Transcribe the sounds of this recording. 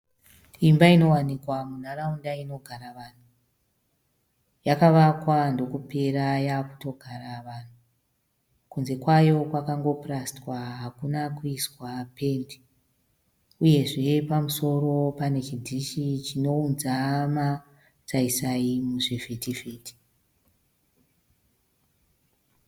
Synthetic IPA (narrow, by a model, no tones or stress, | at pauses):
imbaino̞wanikwamun̤araundaino̞ɡʱaɾaʋan̤u | jakaʋakwando̞kupe̞ɾajaku̥to̞ɡʱaɾaʋan̤u | kunze̞kwajo̞kwakaŋɡo̞prastwaɦakunakuiswape̞ndi | uje̞ʐe̞pamuso̞ɾo̞pane̞t͡ʃidʱiʃit͡ʃino̞unzama | t͡saisaimuʐefetifeːti̥